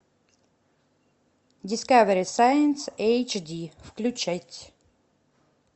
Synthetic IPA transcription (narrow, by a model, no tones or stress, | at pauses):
dʲɪskavɛɾʲisajənsejt͡ʃd̪ʲifklʲʉt͡ɕɛtʲ